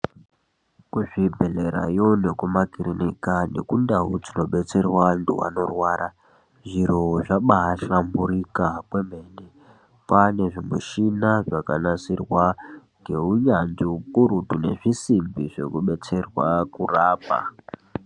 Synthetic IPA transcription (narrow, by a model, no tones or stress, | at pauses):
kuʐibʱe̞leɾa̰jo̞ne̞kumakiɾinikane̞̰kundaɦud͡zino̞ɓe̞t͡se̞rwaantʰṵʋa̰no̞rwaːɾʔa | ʐiɾoʐaɓaɦaɬambuɾikakwem̤e̞ne | pane̞ʐimṵʃinaʐakanasirwa | ŋɡe̞uɲand͡ziupuɾutune̞̰ʐisimbiʐe̞̰kuɓe̞t͡se̞rwakuraːpa̰